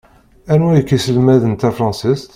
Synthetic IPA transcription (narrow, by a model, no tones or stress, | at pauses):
ænujəkːisəlmæðənt̪æfɾɑnsist̪